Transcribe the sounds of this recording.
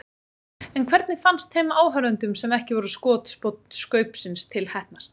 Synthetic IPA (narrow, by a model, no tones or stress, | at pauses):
ɛnkʰvɛɾt̪̚nɪfanst̪hɛmaːwɦœɾʏnt̪ʏmsɛmɛhcɪvɔɾʏskɔːt̪spɔt̪n̥skœːɥpsɪnst̪ʰɪlhɛhtnast̪